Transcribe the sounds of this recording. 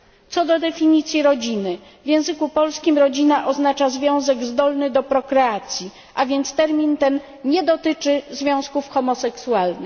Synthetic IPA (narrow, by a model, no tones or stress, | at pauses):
t̪sɔd̪ɔd̪ɛfʲiɲit̪sʲjiɾɔd͡ʑinɘ | vʲjɛ̃w̃zɘkupɔlskʲimɾɔd͡ʑinaʔɔznat͡ʂazvʲjɔ̃w̃zɛɡzd̪ɔlnɘd̪ɔpɾɔkɾɛat̪sʲji | ʔavʲjɛnt̪st̪ɛɾmʲint̪ɛn | ɲɛd̪ɔt̪ɘt͡ʂɘzvʲjɔ̃w̃skufxɔmɔsɛksualnɘ